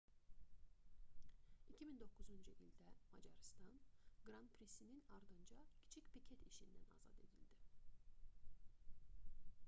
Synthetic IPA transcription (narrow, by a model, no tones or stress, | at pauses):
icʰimind̪o̞kʰːuzund͡ʒuʔild̪æmɑd͡ʒɑɾst̪ɑnɡɾɑnpʰɾisininɑɾd̪ɯnd͡ʒɑcʰi̥t͡ʃʰicpicʰet̪iʃind̪ænɑ̰zɑ̰d̪e̞d̪ilʲd̪i